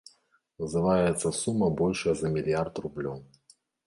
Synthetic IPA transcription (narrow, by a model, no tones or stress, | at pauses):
vɨzɨvajɛt̪sːɐsumːɐbɔlʲʂɐjɐzɐmʲilʲjart̪rublʲow